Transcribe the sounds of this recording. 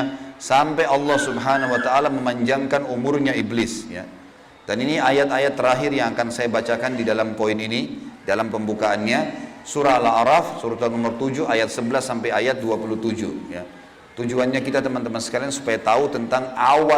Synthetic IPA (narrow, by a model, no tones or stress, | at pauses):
sampajɑlːɑhsubɦanawat̪aːlaməmaɲd͡ʒaŋkanumʊrɲaiblɪsja̰ | daniniajat̪ajat̪ːəɾaɦɪrjaŋakansajabat͡ʃakandidalampoininidalampəmbukaːnɲasuɾaːlaɾafsuɾut̪anɔmərt̪ud͡ʒuajat̪̚səbəlasːampajajat̪̚duapulut̪ud͡ʒṵja̰ | t̪ud͡ʒuanɲakit̪at̪əmant̪əmansə̥kaliaŋsu̥pajat̪aut̪ənt̪aŋawa